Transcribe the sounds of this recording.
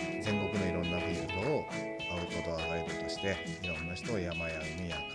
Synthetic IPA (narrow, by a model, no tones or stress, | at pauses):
zẽ̞ŋɡo̞kɯ̟no̞iɾõ̞nːaɸɯ̟iɦoː | aɯ̟kot̪oaɡaɾit̪ot̪oɕi̥t̪e̞ | iɾõ̞nːaçi̥t̪o̞ːjamajaɯɲijak